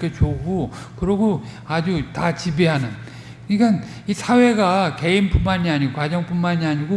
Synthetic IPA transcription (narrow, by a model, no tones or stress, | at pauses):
k͈et͡ɕoɡʰo | kɯɾʌɡo | ad͡ʑutat͡ɕibiɦanɯn | ikan | isʰawe̞ɡake̞inpunmaɲiaɲiɡokad͡ʑʌŋp͈unmaɲiaɲiɡo